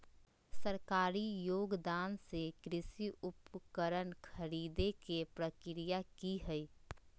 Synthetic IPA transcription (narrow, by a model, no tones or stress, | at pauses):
səɾkaːɾijoːɡd̪aːnsekɾɪsiʊpkəɾənkʰəɾiːd̪ekepɾəkɾijakiɦɛi